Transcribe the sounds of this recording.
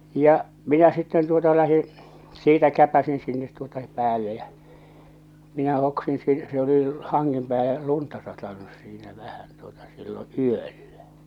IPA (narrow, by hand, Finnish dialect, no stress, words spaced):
jɑ minæ sitːen tuotɑ læhĩː siːtæ kæpæsin sinːet tuotɑ pæːlːe jæ minæ hoksin si se oli hɑŋːem pæːle luntɑ sɑtɑnus siːnæ ʋæhæn tuotɑ silːo yølːæ